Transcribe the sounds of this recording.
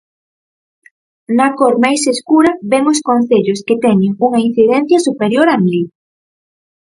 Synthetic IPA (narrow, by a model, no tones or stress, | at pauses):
nakoɾmajseskuɾɐβeŋʊskon̟θeʎʊsket̪ɛɲɪŋuŋain̟θiðɛn̟θjɐsupeɾjoɾamli